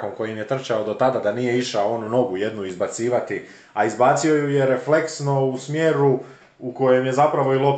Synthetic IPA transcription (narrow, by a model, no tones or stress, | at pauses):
ko̞ŋko̞jimjet̪r̩t͡ʃaod̪o̞t̪ad̪ad̪anije̞iʃaoonuno̞ɡuje̞d̪nuizbat̪siːʋat̪i | aizbaːt̪sio̞juje̞ɾe̞fle̞ksno̞usmjeːɾu | uko̞je̞mjezapɾaʋo̞ilˠo̞p